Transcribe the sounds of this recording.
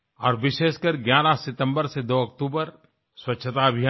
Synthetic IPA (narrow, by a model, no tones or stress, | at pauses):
ɔːɾʋɪʃeːʃkəɾɡjaːɾasɪt̪ə̃mbəɾsed̪oːɐkt̪uːbəɾ | swɐtːʃʰət̪aɐbʱɪja